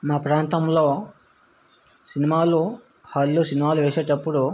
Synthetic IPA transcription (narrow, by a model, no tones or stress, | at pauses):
maːpɾaːnt̪ɐmloː | sinimaːlu | hɐlːusinimaːluʋeːseːʈɐpːuɽu